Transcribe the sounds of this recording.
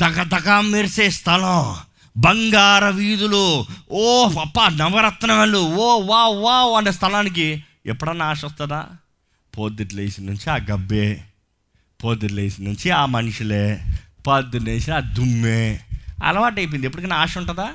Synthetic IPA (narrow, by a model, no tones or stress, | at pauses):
t̪ɐkɐt̪ɐkaːmːeɾseːst̪ʰɐlɐ̃w | bɐŋɡaːɾɐʋiːd̪uluoːɐpːanɐʋɐɾɐt̪naːluoːʋaːʋaːuɐneːst̪ʰɐlaːnik̬i | epːuɽɐnːaaːʂɔst̪ad̪a̰ː | poːd̪iʈlejsinːuɲt͡ʃiaːɡɐbːeː | poːd̪ɐʈlejsinːuɲt͡ʃiaːmɐniʂileːpad̪ːineːsinaːd̪umːeːɐ̰lɐʋaːʈ̬ɐjp̬ind̪epːuɽikeːnaaːʂɐuɳʈɐd̪aː